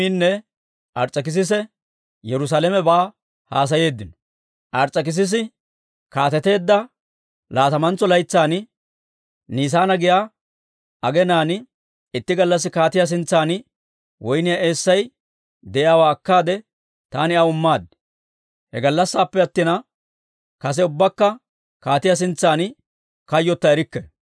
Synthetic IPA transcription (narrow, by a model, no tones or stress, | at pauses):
iːnːɛ | ʔɐɾt͡sʼːɐkɪs̬ɪs̬ɛ | jɛɾʊs̬aːlɛmɛbaː | haːs̬ɐje̞ːd̪ːɪnɔ̥ | ʔɐɾt͡sʼːɐk̬ɪs̬ɪs̬ɪ | kaːt̪ɛt̪e̞ːd̪ːɐ | laːt̪ɐmɐnt͡sːɔlɐjt͡sːaːnɪ | niːs̬aːnɐɡɪjaː | ʔɐɡɛnaːnɪ | ɪt̪ːɪɡɐlːɐs̬ːɪkaːt̪ɪjɐs̬ɪnt͡sːaːnɪ | wʔɔjnɪjae̞ːsːɐj | d̪ɛjaːwaːɐkːaːd̪ɛ | t̪aːnɪɐʊmːaːd̪̚ | hɛ̰ɡɐlːɐsːaːpːɛɐt̪ːɪnɐ | kɐsɛʊbːɐkːɐ | kaːt̪ɪjas̬ɪnt͡sːaːn | kɐjːɔt̪ːɐɛɾɪkːɛ